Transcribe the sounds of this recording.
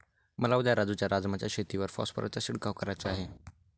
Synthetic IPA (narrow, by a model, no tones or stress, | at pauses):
məlaud̪ʱjaɾad͡zut͡ɕjaɾad͡zmat͡ɕjaɕet̪iʋəɾfɔ̰spə̰ɾə̰t͡ɕasiɽkaʋkəɾajt͡saaɦe